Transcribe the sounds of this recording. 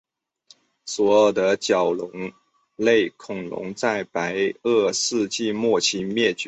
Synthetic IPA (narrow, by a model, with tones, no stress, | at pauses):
swɔ˧˥jo˨˩ʊd̪ə˦t͡ɕjɑ˨˩ʊlʊ˧˥ŋ | le˥˩ɪkʰʊ˨˩ŋlʊ̰˧˥ŋt͡sa˥˩ɪpa˧˥ɪɤ˥˧sɹ̩˥˧t͡ɕi˥˧mwɔ˥˩t͡ɕʰi˧˥nmjɛ˥˩t͡ɕy˧˥